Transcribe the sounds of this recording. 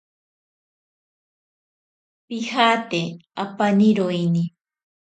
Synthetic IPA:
pihaːt̪eapaniɾojni

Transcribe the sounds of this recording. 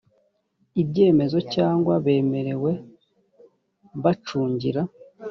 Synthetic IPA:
ibɟe̞ːme̞zo̞caːŋɡwaβe̞ːme̞ɾe̞we̞ | βat͡ʃuːɲɟḭɾa

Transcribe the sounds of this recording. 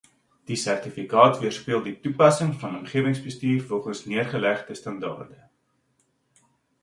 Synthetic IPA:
d̥isærtifikɑːtviərspiəlˠditupɐsəŋfɐnɔmχiəvəŋsbəstiːrfɔlˠχənsniərχəlæχdəstɐndɑ̰ːrdə

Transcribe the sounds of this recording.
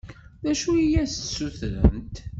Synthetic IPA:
ðæʃuijæst̪suθɾə̰mt̪

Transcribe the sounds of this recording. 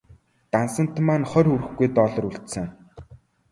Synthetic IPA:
t̪ansə̆n̥t̪ʰmaːnχœɾuɾɘ̆xɡujt̪ɔɮɞ̆ɾuɬt̪sɘ̆ŋ

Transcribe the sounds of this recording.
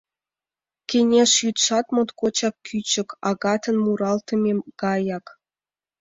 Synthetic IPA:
kʲenʲeʂjyt̪ʂɑt̪mŏt̪kot͡ɕɑp̚kʲʰyt͡ɕɘ̆kɑɡɑt̪ɤ̆nmuɾɑlt̪ɤ̆mʲeɡ̥ɑjɑk

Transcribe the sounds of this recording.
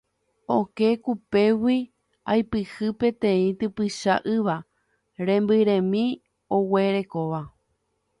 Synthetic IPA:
oke̞kupe̞wi | ajpɨhɨpet̪ẽĩt̪ɨpɨʃa̰ʔɨʋa | ɾẽ̞mbɨɾẽ̞mĩ | owe̞ɾe̞koʋa

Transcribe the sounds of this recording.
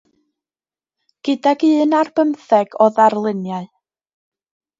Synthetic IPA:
ɡ̥ɪdaɡɨːnarb̥əmθɛɡ̥ɔðarlˠɪnjaɨ

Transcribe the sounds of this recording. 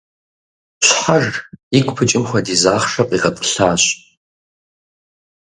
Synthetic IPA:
ɕʷħarikʷʼpʰɨt͡ʃʼɪmχʷɐdizaːχʂɐqʼiʁɐpʼɬaːɕ

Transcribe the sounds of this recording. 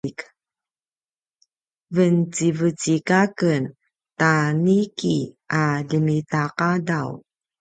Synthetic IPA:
k | vənt͡sivət͡sikakən | taniki | adəmitaqadaw

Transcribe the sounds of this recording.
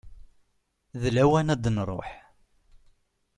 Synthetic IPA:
ðlæwænæd̪nɾˤo̰ħ

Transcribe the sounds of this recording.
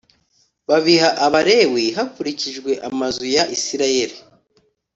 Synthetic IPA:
βaβihaʔaβaɾe̞wiɦakuɾiciʒɡwe̞ʔamazujaʔisiɾaje̞ɾi

